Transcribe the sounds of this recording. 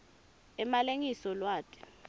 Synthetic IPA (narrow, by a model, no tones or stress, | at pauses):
ɛmaleŋisɔlwaːtʰʼɛ̥